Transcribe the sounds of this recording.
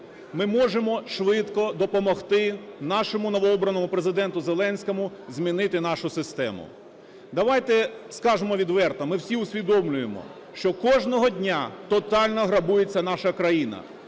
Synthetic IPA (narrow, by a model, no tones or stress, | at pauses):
mɪmɔʒemɔʃʋɪt̪kɔd̪ɔpɔmɔxt̪ɪnɑʃɔmʊnɔʋɔɔbɾɐnɔmʊpɾezɪd̪ɛnt̪ʊzelˠɛnʲsʲkɔmʊzʲmʲinɪt̪ɪnɑʃʊsɪst̪ɛ̰mʊ̰ | d̪ɐʋɑjt̪ɛskɑʒemɔʋʲid̪ʋɛrt̪ɐmɪwsʲiʊsʲʋʲid̪ɔmlʲʊjemɔ̰ | ʃt͡ʃɔkɔʒnɔɦɔdʲnʲat̪ɔt̪ɑlʲnɔɦɾɐbujet͡sʲːɐnɑʃɐkɾɐjinɐ̰